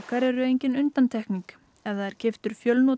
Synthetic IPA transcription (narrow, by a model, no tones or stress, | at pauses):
kaɾɛɾʏejɲcɪnʏnt̪ant̪ʰɛhkniŋk | ɛvðaðɛɾ̥cʰɪft̪ʏɾ̥fjœlno